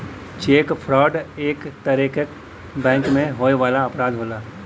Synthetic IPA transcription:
t͡ʃeːkpʰɾɔːɖeːkt̪əɾikək | bɛ̃ːŋkmẽɦoːjʋaːlaɐpɾaːd̪ɦoːlaː

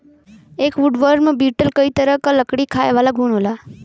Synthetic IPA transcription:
ekʋuɖʋəɾɾmãbiʈəlkəit̪əɾəkaləkɽikʰajʋalaɡʱuɳ̃ɦola

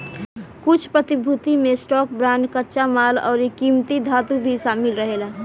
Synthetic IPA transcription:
kut͡ʃʰpɾət̪ibʱut̪imesʈɔk̚bɾankətːʃamalɔ̰ʊɾikimt̪id̪ʱat̪ubʱisamilɾəɦela

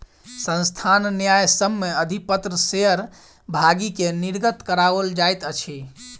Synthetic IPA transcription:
sə̃nst̪ʰanːjajsəmːeəd̪ʱipət̪ɾəseɦəɾ | bʱaɡikeniɾɡət̪kəɾabəld͡ʒajt̪ət͡ʃʰi

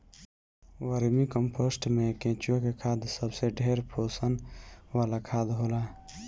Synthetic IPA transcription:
wəɾmikəmpʰosʈmẽkẽːt͡ʃijõkekʰaːd̪səbseɖʱeːɾpʰoːsənwalakʰaːd̪ɦola

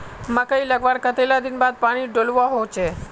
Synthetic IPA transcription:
məkəiləɡʋaɾkət̪elad̪inbad̪̚paɽ̃iɖolʋoɦot͡ʃʰe

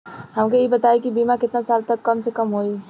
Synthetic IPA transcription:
ɦɐmkeibɐt̪aːikibiːmãkɪt̪nasaːlt̪ɐkːɐmsekɐmɦoːiː

